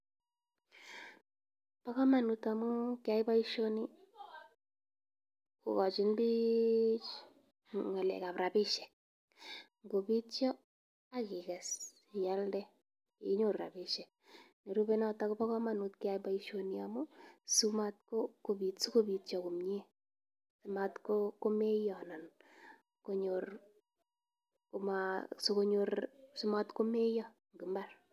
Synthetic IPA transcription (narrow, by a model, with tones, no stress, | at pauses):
pa˦kɔ˦ma˨nuta˨mu˦kɪ˦a˨˦i˦ba˦i˦ʃo˦ni˦ | ko̰˨kɔ˨t͡ʃɪ˨˦nbi˦t͡ʃ | ŋa˨lɛ̰˨ka˨pɾa˨bɪ˦ʃɛ˨k̚ | ŋɡo˨bi˦tt͡ʃjɔ˦ | a˦kɪ˨kɛ˨s | ja˦ldɛ˦ | i˨˦ɲo˨ɾɾa̰˨bɪ˨ʃɛ˨k̚ | ne˨ɾube˦na˦taku˦pa˦kɔ˦ma˨nu˨tkɪ˦ajba˦iʃo˧niamʊ˦su˦ma˦t̚ko˦kobi˨tsu˦ko˦bitt͡ʃɔ˨ku˨mɲe˦ | su˨matkoko˦me˦jɔ˨na˨n | ko˦ɲor | komasu˦koɲorsu˦ma˦tko˦me˦jɔ˦ | ŋɡi˨mbar